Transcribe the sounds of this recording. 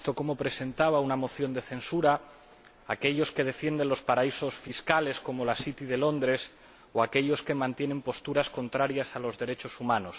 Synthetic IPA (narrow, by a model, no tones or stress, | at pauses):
t̪okomo̞pɾese̞nt̪aβ̞aunamo̞θjo̞nd̪e̞θẽ̞nsuɾaː | ke̞ʎo̞ske̞ð̞e̞fje̞nd̪e̞nlo̞spaɾaiso̞sfiskale̞sko̞mo̞lasit̪iðe̞lo̞nd̪ɾe̞s | oake̞ʎo̞ske̞mãnt̪je̞nẽ̞mpo̞st̪uɾasko̞nt̪ɾaɾjasalo̞zðe̞ɾe̞t͡ʃo̞sumãnos